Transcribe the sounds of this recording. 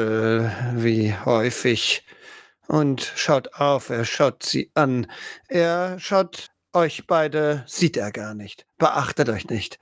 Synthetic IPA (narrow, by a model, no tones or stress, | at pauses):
viːhɔʏfɪç | ʔʊntʃaʊtaʊfeːɐʃaʊtz̥ḭːʔanʔeːɐʃaʊt | ʔɔʏçb̥aɪdəz̥iːteːɐɡaːɐnɪçtb̥əʔaχtətɔʏçnɪçt